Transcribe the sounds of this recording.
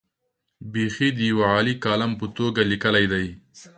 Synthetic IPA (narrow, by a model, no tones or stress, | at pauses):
bexid̪əjawaʕɑːlikɑlampət̪oɡalikəlajd̪aj